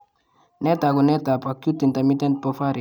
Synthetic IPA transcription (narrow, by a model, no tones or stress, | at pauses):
nɛtakunɛtapakjutːint̪amit̪ɛnt̚pɔfaɾi